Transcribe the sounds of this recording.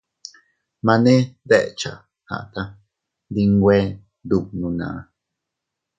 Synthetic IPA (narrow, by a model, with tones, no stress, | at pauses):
mã˧nẽ˦ðe˦ʔe˨t͡ʃa̰˨ | ha̰˨t̪a˦ | d̪i˧ŋ˦ɡʷe˦ | d̪u˧˨nũ˧nã̰˨ʔa˧